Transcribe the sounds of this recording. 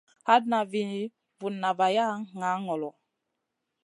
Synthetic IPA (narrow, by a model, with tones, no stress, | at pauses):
ha˦d̚na˨vi˨n˨˦ | vu˨nːa˨va˨ja˦ŋa˨˦ŋɔ˨lɔ˨